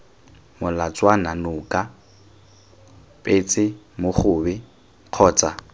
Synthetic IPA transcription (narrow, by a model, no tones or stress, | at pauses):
mʊlat͡sʼwananʊkʼa | pʼeːt͡sʼɪ | mʊχʊːbɛ | q͡χʰɔːt͡sʼa